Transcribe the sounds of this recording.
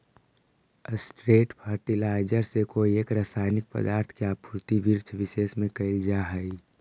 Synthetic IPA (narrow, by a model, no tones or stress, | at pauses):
əsʈɾeːʈpʰaːɾʈilaːɪd͡ʒəɾsekoːieːkɾaːsaːɪnɪk̚pə̰d̪aːɾt̪ʰkeapʰuɾt̪ibiɾt͡ʃʰʋɪʃeːsmẽkɐɪld͡ʒaɦəi